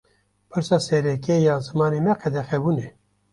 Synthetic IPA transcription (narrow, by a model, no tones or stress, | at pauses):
pʰɨɾsɑːsɛɾɛkejɑːzɨmɑːnemɛqʰɛd̪ɛxɛbuːne